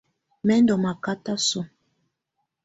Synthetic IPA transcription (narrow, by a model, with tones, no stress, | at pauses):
mɛ˦n˦dɔ˨ma˨ka˦ta˦sɔ˦